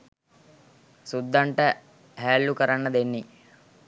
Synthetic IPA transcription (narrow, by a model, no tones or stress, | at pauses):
sud̪ːaɳʈə | ɦæːlːukəɾanːəd̪enːi